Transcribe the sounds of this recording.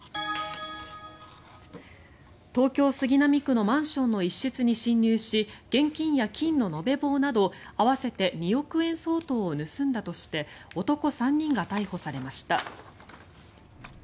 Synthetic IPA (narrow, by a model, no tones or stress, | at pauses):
t̪o̞ːkʲo̞ːsɨɡʲinamʲikːɯ̟no̞mãɰ̃ɕõ̞nːo̞iɕːit͡sɨɲ̟iɕĩɲʲːɨːɕiɡ̥ẽ̞ŋkʲĩɰ̃jakʲĩnnːo̞no̞be̞bo̞ːnad̪o̞aβase̞t̪e̞ɲ̟io̞kɯ̟ẽ̞ɰ̃so̞ːt̪o̞ːnɯ̟sɨ̃nd̪at̪o̞ɕi̥t̪e̞o̞t̪o̞ko̞sãɲ̟ːĩŋɡat̪aiho̞saɾe̞maɕi̥t̪a